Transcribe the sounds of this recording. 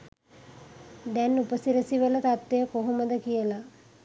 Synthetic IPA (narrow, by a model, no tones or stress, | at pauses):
d̪ɛnupəsiɾəsiʋələt̪at̪ʋejəkoɦuməd̪əkijəla